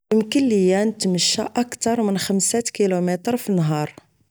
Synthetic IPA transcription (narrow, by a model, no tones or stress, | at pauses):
əmkəlːəjːænt̪məʃːæʔækt̪ɑɾˤmənxəmsæt̪kilumɛt̪ɾfinːɦɑɾˤ